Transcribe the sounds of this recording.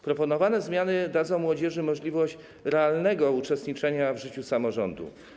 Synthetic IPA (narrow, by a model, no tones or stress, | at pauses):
pɾɔpɔnɔvanɛzmʲjanɘd̪ad̪zɔ̃w̃mwɔd͡ʑɛʐɘmɔʐlʲivɔɕt͡ɕ | ɾɛalnɛɡɔut͡ʂɛst̪ɲit͡ʂɛɲavʐɘt͡ɕusamɔʐɔnd̪ṵ